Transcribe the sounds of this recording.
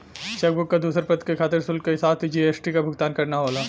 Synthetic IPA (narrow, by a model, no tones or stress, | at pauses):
t͡ʃeːk̚bʊkːad̪uːsəɾpɐt̪kekʰaːt̪ɪɾsʊlkeɦɪsaːbt̪ʰid͡ʒiːeːsʈikabʱʊɡ̚t̪aːnkɐɾnaɦoːlaː